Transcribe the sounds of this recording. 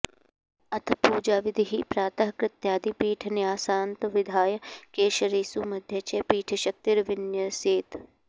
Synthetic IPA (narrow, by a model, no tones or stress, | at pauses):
ɐt̪ʰpuːd͡ʒaːʋɪd̪ʱiɦiːpɾaːt̪ɐɦkɾɪt̪jaːd̪ipiːʈʰnɪaːsaːnt̪ʋɪd̪ʱaːjəkeːʃɐɾeːsuːmɐd̪ʱjɐt͡ʃepiːʈʰʃɐk̚t̪iɾʋɪnjəseːt̪